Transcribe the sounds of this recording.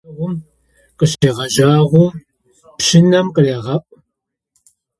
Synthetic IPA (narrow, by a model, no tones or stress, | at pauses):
ʁʷʊm | qəɬt͡ʃeʁɐʒaːʁʷʊm | pɕɪnɐmqəreːʁɐpʼ